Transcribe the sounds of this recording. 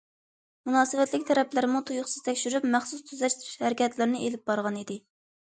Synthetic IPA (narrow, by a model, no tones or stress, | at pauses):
munɑːsɨvɛt̪lɪk̚ʲt̪ʰɛɾɛplɪɾɪmut̪ʰujʊχsɨzt̪ʰɛkʲʃyɾypmæχsust̪ʰyzɛt͡ʃʃhæɾɪkʲʰɛt̪lɪɾnɪʔelɪp̚bɑɾʁɑnid̪ɪ